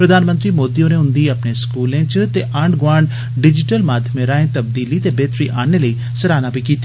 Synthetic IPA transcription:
pɾəd̪ʱaːnmə̃nt̪ɾiːmoːd̪iːõneʊ̃nd̪iɐpneskuːlẽːt͡ʃt̪eʔɐɳɖɡaːɳɖ | ɖɪd͡ʒɪʈəlmaːd̪ʱjəmẽɾaːẽt̪ɐb̚d̪iːlit̪ebeːt̪ɾiʔaːneləiː | səɾaːnabikiːt̪ːi

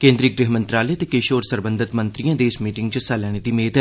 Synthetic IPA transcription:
kẽːnd̪ɾiːɡɾɪɦmə̃nt̪ɾaːlɛt̪ekeːʃoːɾsəɾbə̃nd̪ʱɪt̪mə̃nt̪ɾijãːd̪eːsmiːʈɪŋɡt͡ʃəsɛlɛːñed̪iːmeːt̪ɛ

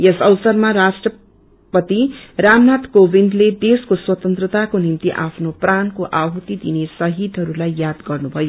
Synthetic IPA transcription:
jesʌwsʌrmaɾasʈrʌ | pʌt̪iramnat̪kobind̪led̪eskoswʌt̪ʌnt̪rʌt̪akonimt̪iʔapʰnoprankoʔaɦut̪id̪inesʌɦit̪ɦʌɾulajːjad̪ɡʌrnubʱʌjo

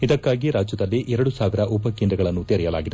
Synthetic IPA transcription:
id̪ɐkːaːɡiɾaːd͡ʒjɐd̪ɐlːiʔɛɾɐɽusaːʋiɾɐʔupɐkind̪ɾɐɡɐɭɐnːut̪eɾɛjɐla̰ːɡid̪e

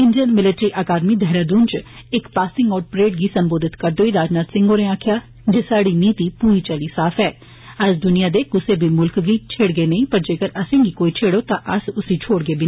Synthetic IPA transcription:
ɪ̃nd͡ʒənmɪlɪʈɾiːʔəkaːd̪miːd̪ʱɛɦɾaːd̪uːnt͡ʃɪkpaːsɪ̃ŋɡɔːɾpɾeːʈɡiːsəmboːd̪ɪt̪kəɾd̪oːiːɾaːd͡ʒnaːt̪sɪ̃ŋɡõːneaːkʰjaː | d͡ʒesaːɽiːniːt̪iːpuːiːt͡ʃəliːsaːpʰɛː | əd͡ʒd̪ʊnɪjaːd̪eːkʊseːbʱiːmʊlkɡiːt͡ʃʰeːɽɡeːnəĩːpəɾd͡ʒeːkəɾəsẽːɡiːkoːiːt͡ʃʰeːɽoːt̪ãːʔəsʊsĩːt͡ʃʰoːɽɡeːbʱiː

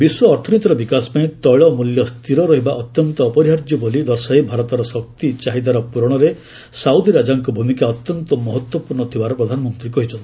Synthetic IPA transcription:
biswɔːɾt̪ʰɔnit̪ɔɾɔbikasɔ̥paĩt̪ɔɭɔmuljɔst̪ʰiɾɔɾɔɦibaʔɔt̪jɔnt̪ɔːpɔɾiɦaɾd͡ʒjubolid̪ɔɾsaibʱaɾɔt̪ɔɾɔsɔk̚t̪it͡ʃaɦid̪aɾɔpuɾɔɽ̃ɔɾe | saud̪ʱiɾad͡ʒaŋkɔbʱumikaɔt̪jɔnt̪ɔmɔɦɔt̪wɔpuɾɳɔt̪ʰibaɾɔpɾɔd̪ʱanɔmɔnt̪ɾikɔɦit͡ʃʰɔnt̪ʰi

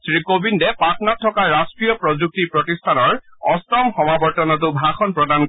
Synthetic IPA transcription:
sɹikobindɛpatnat̚ʰːɔkaɹastɹijɔpɹɔzuk̚tipɹotistʰanɔɹɔstɔmxɔmabɔɹtɔnɔt̬ʊbʱaxɔnpɹɔdan

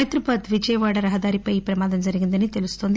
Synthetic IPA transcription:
jt̪ɾupɐt̪ʋid͡ʒɐjɐʋaːɽɐɾɐɦɐd̪aːɾipɐjipɾɐmaːd̪ɐnzɐɾiɡind̪ɐnːit̪elusu̥t̪oːnd̪

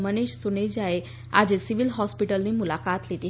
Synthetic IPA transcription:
məneɕsuned͡ʑae | a̰d͡ʑesiʋilɦɔspiʈəlnimulakat̪let̪i

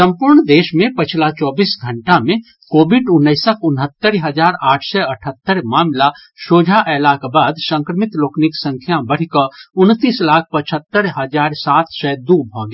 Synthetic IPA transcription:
sə̃mpuɾɳd̪eːʃmẽpət͡ʃʰlat͡ʃɔːbiːsɡʱəɳʈamẽ | koːbiɖʊnːəɪsəkʰʊnɦət̪ːəɾɦəd͡ʒaːɾaːʈʰsɛəʈʰət̪ːəɾmaːmla | ʃoːd͡ʒʱaʔɛlakbaːd̪sə̃ŋkɾəmit̪loːkniksə̃ŋkʰjabəɽ̤ikəʊnt̪iːslaːk̚ʰpət͡ʃʰət̪ːəɾɦəd͡ʒaːɾsaːt̪ʰsɛd̪ubʱɔ̃ɡe

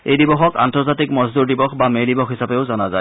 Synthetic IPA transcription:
ejdibɔxɔka̰ntɔɹzatikmɔzduɹdibɔxbamejdibɔxɦisapeʊzɔnazaj

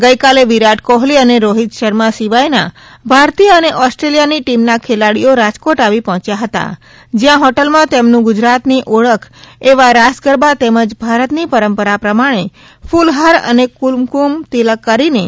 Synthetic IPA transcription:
ɡəjkaleʋiɾaʈkɔɦliəneɾoɦit̪ʃəɾmasiʋajna̰ | bʱaɾt̪ijəəneʔɔsʈɾelijaniʈimnakʰelaɽijoɾad͡ʒkoʈaʋipɔɦɔ̃t͡ʃjaɦət̪a̰ | d͡ʒjãɦɔʈəlmãt̪emnũɡʊd͡ʒɾat̪niʔoɭəkʰeʋaɾasɡəɾbat̪eməd͡ʒbʱaɾət̪nipəɾəmpəɾapɾəmaɽ̃e | fʰulɦaɾə̰nekulmkumt̪iləkːəɾine

